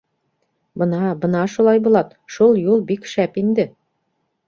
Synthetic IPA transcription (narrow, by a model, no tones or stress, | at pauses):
bɤ̆nɑbɤ̆nɑʃulˠɑjbulˠɑt̪ʃulˠjulˠbikʃæpind̪ɘ